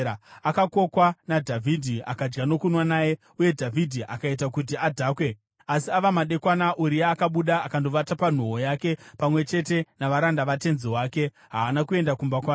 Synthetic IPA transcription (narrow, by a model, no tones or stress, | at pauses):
akako̞kwanadʱavʱidʱia̰kad͡ʒɡano̞kunwanaːje̞ | uje̞dʱavʱidʱiʔakait̬akut̬iadʱaːkwe̞ | asiaʋamaɗe̞kwanaʔuɾijaːkaɓuɗaːkando̞ʋatapan̤uɦojake̞pamwe̞t͡ʃe̞t̬e̞naʋaɾandaʋate̞nziwaːke̞ | ɦaːnakue̞ndakumbakwaː